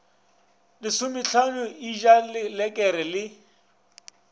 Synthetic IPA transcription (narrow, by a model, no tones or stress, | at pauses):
lɪsʊmɪɬʰanʊiʒalɪlɛkʼɛɾɛlɪ